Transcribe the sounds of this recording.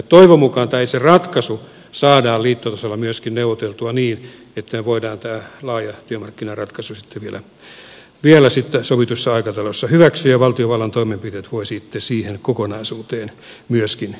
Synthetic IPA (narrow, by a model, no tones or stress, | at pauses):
t̪oiʋomukɑnt̪æiserɑt̪kɑsu | sɑːdɑːliːt̪ːot̪ɑsɑlːɑmyøskinneuʋot̪elt̪uɑniːn | et̪ːæmeʋoidɑːnt̪æːlɑːjɑt̪yømɑrkːinɑrɑt̪kɑsusi̥t̪ʰːeʋielæ̰ | ʋielæsit̪ːesoʋit̪usːɑɑikɑt̪ɑlosːɑhyʋæksyjɑʋɑlt̪ioʋɑlːɑnt̪oimempit̪eːt̪ʋoisit̪ːesiːhenkokonɑisuːt̪eːn | myøskin